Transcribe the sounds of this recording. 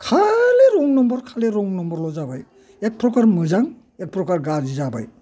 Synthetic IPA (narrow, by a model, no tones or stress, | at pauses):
kʰaleɾɔŋnɔmbɔɾkʰaleɾɔŋnɔmbɔɾlɔzabaj | ek̚pɾɔkaɾmɯzaŋ | ek̚pɾɔkaɾɡaɾd͡ʒizaba̰j